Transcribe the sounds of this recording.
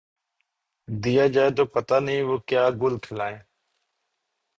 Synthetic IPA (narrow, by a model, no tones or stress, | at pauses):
d̪ijaːd͡ʒaːeːt̪oːpət̪aːnĩːʋoːkjaːɡʊlkʰɪlaːẽː